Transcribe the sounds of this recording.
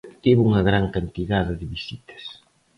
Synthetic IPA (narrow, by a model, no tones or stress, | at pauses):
t̪iβuŋɐɣɾaŋkant̪iðaðɐðɪβisit̪ɐ̥s